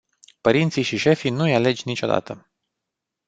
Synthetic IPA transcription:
pəɾint̪siʃiʃe̞fijnujale̞d͡ʒʲnit͡ʃo̞d̪a̰t̪ə

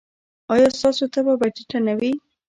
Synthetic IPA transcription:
ɑjɑst̪ɑsot̪ababaʈiʈanawi

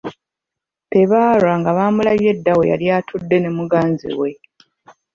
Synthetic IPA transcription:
pe̞βaːɾwaŋɡaβaːmulaβje̞dːawḛja̰ljatʰudːe̞ne̞muɡaːnzḭwe̞

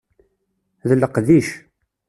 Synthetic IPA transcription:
ðləqðiʃ

